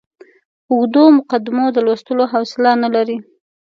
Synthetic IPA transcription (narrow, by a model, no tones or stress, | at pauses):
ʊɣd̪omʊqad̪ɪmod̪əlwast̪əloɦawsɪlanalaɾi